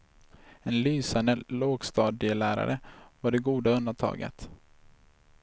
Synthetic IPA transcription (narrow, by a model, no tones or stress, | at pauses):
ɛnlyːsand̪əloːɡst̪ɑːd̪ɪəlæːɾa̰ɾəvaɖɛɡuːd̪aɵnd̪ant̪ʰɑ̰ːɡə̰t̪